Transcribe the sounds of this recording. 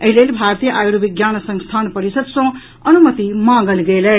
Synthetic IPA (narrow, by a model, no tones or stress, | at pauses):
ɐɦilelbʱaɾt̪ijəʔajuɾubiɡjaːnsə̃ŋst̪ʰaːnpəɾisəd̪sɔ̃ | ɐnumət̪imãɡəlɡelə